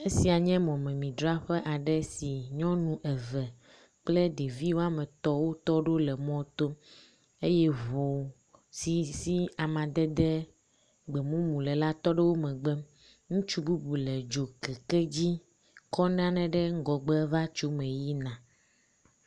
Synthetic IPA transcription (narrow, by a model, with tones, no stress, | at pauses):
e˦si˨a˨ɲɛ̃˦mɔ̃˨mɛ̃˨mĩ˨d̪ɾɔ˦a˦ɸɛ˦ʔa˨ɖɛ˦si˨ɲɔ̃˦nũ˦ʔɛ˨vɛ˨ | k͡plɛ˦ɖe˨vi˦wo˦a˦mɛ̃˨t̪ɔ˦wo˦t̪ɔ˦ɖo˦lɛ˨mɔ̃˦t̪o˦m | e˦jɛ˦βo˨ | si˨si˦a˨mã˨d̪ɛ˦d̪ɛ˦ | ɡ͡bɛ˨mũ˦mũ˨lɛ˨la˦t̪ɔ˦ɖɛ˦wo˦mɛ̃˨ɡ͡bɛ˦ | ŋũ˦t͡ʃu˦bu˦bu˨lɛ˨d͡ʒo˨kɛ˨kɛ˦d͡ʑi˦ | kɔ˦nã˦nɛ̃˨ɖɛ˦ŋ˦ɡɔ˨ɡ͡bɛ˦va˦t͡ʃo˦mɛ̃˨ji˦nã˨